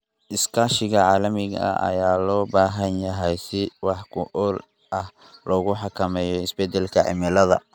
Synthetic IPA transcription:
ʔɪskʰaːʃɪɣɐʕɑːlɐmɪɣɐɐ̰ɐ̰jaːlɔːbaːɦɐnjɐɦɛjsɪwɑħkʰʊʔɔːl | ʔɐh | lʔɔːɣʊħɑkʰɐmɛːjɔɪsbɛd̪ɛlkʰɐʕɪ̰mɪlɐðɐ̰

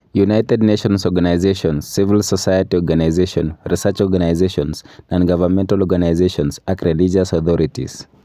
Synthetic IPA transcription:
junajtɛd̚neʃɔ̃nsɔɡanajzeʃɔ̃nsivilsɔsajatiɔɡanajzeʃɔ̃nɹisɛt͡ʃɔɡanajzeʃɔ̃nsãnɡavəmɛ̃ntalɔɡanajzeʃɔ̃nsakɹɛlid͡ʒasɔθɔɾitḭz̥

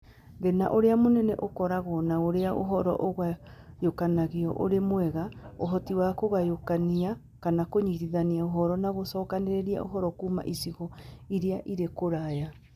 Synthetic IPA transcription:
ɡɛna̰ʔoɾeamonɛnɛʔokɔɾaɣɔːnaoɾeaʔo̰ɦɔɾɔ̰ʔoɣajokanaɣeɔ̰ʔoɾemwɛɣao̰ɦɔtiwakoɣajokania | kanakoɲiɾiðaniaoɦɔɾɔnaɣosɔːkaneɾeɾia̰ʔo̰ɦɔɾɔkuːma̰ʔisiɣɔiɾeaʔiɾekoɾaja

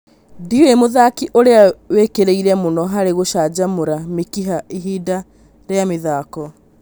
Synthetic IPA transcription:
diwemoðakiʔoɾeawekeɾeiɾɛmonɔɦaɾeɣoʃaːd͡ʑamoɾamekiɦaiɦiːda | ɾeameðaːkɔ

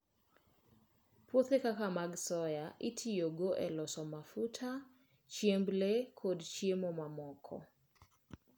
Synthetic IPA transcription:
pwot̪ekakamaɡsɔjaʔitʰijoɡoʔɛlɔsɔmafutʰa | t͡ʃjemblekʰodt͡ʃjemomamɔkʰɔ̰

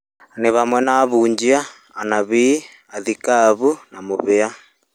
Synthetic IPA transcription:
neβamwɛnaβuːɲd͡ʒiaː | naβiː | aðikaβunamoβea

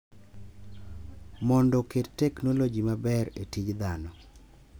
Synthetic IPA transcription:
mɔndɔkettɛknolod͡ʒimabɛɾetid͡ʒd̪anɔ

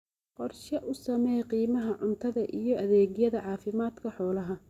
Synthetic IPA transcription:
qɔrʃɐʔʊsɐmɛjqiːmɐɦɐʕʊnt̪ʰɐðɐʔijɞʔɐðɛːɣjɐðɐʕɑːfɪmaːd̪kʰɐħɔːlɐɦɐ

